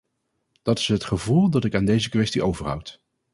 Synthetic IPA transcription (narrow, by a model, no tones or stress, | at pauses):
d̥ɑtɪ̥sɦətχəvulˠdɑtɪkaːndejzəkʋɛstiʔowvəɹɦʌ̰wt